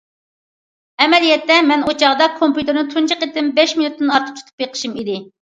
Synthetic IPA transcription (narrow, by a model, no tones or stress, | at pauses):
ɛmɛlijɛt̪ːɛmɛnot͡ʃʰɑʁd̪ɑkʰompjut̪ʰɪɾnɪt̪ʰunt͡ʃʰiqet̪ɪmbɛʃminut̪ːɪnɑɾt̪ʰɨ̥t͡ʃ̪ʰu̥t̪ʰu̥pjeqʰə̥ʃimid̪ɪ